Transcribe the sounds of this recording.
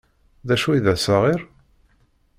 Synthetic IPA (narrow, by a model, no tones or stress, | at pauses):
ðæʃuiðæsəʁɪɾ